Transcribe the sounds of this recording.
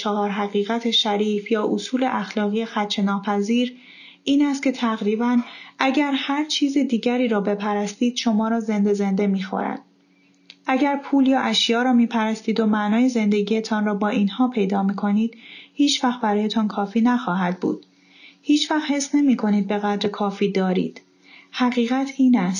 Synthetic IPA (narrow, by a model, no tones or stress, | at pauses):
t͡ʃʰɒɦɒːɾɦæɣiːɣæt̪ʰeʃæɾiːfjɒːʔosuːleʔæxlɒːɣiːexæt̪ʰːt͡ʃʰe̞nɒːpʰæziːɾ | ʔiːnæst̪̚cʰe̞t̪ʰæɣɾiːbænʔæɟæɾhæɾt͡ʃʰiːzid̪iːɟæɾiːɾɒːbe̞pʰæɾæst̪iːd̪̥ʃo̞mɒːɾɒːze̞nd̪e̞ze̞nd̪e̞miːxo̰ɾæ̰d̪̥ | ʔæɟæɾpʰuːljɒːʔæʃjɒːɾɒːmiːpʰæɾæst̪iːd̪o̞mæʔnɒːje̞ze̞nd̪e̞ɟiːe̞t̪ʰɒːnrɒːbɒːʔiːnhɒːpʰe̞jd̪ɒːmiːkʰo̞niːd̪̥hiːt͡ʃʰvæxt̪̚bæɾɒːjet̪ʰɒːnkʰɒːfiːnæxɒːɦæd̪̚bṵːd̪̥̚ | hiːt͡ʃʰvæxhe̞sne̞miːkʰo̞niːd̪̚be̞ɣæd̪ɾekʰɒːfiːd̪ɒːɾḭːd̪̥ | hæɣiːɣæt̪ʰiːnæst̪